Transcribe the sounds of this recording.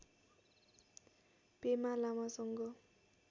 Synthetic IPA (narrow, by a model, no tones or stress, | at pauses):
pemalamasʌŋɡʌ